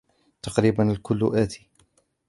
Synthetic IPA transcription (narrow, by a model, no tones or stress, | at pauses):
t̪ɑqɾiːbanalkʊlːʊ̰ʔaːt̪i̥